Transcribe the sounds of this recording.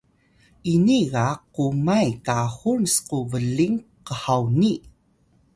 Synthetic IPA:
ʔiniɣaqumajkahunsquvəɮiŋqəhawni

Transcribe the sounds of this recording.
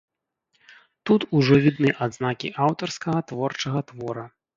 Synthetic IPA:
t̪ut̪uʐɔvʲid̪nɨʔad̪znakʲḭʔawt̪ɐrskɐɣɐt̪vɔrt͡ʂɐɣɐt̪vɔɾɐ

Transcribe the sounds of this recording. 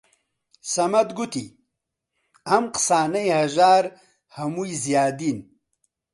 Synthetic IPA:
sɐmɐd̪ɡut̪i | ɐmqsaːnɐjhɐʒaːɾ | hɐmujzjaːd̪in

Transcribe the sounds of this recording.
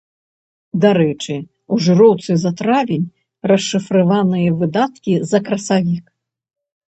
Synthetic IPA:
d̪aɾɛt͡ʂɨ | uʐɨɾɔwt̪sɨzat̪ɾavʲenʲ | rɐʂːɨfɾɨvanɨjɐvɨd̪at̪kʲizɐkɾɐsavʲik

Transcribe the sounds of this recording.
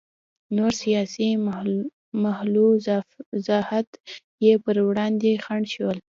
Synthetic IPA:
noɾsijɑsi | mahlu | zahat̪ | jepəɾwɽɑnd̪exaɳʃwəl

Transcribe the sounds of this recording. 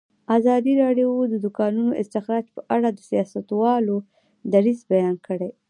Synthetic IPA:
azɑd̪iɾɑɖjod̪əd̪ʊkɑnunoʔɪst̪ɪxɾɑd͡ʒpəʔaɽad̪əsijɑsat̪wɑlo | d̪aɾizbajɑnkəɽe

